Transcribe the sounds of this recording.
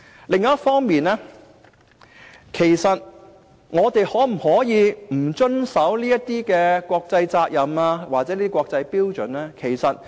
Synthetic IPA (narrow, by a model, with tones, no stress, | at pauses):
lɪ˨˧ŋːɐ˨˦jɐ˥fɔː˥ŋmiː˨nɛː˥ | kʰe˨˩jsɐ˨t̚ | ŋɔː˨˧t̪e˨jhɔː˨˥m̩˨˩hɔː˨˥jiː˨˧m̩˨˩t͡sɵ˥nsɐ˨˥wliː˥jɐ˥tt̪iː˥kɛː˧kʷɔː˧k̚t͡sɐ˧jt͡saː˧k̚jɐ˨maː˧waː˨t̚sɛ˨˦liː˥i˥kʷwɔː˧k̚t͡sɐ˧jpiː˥wt͡sɵ˨nɛː˥kʰe˨˩jsɐ˨t̚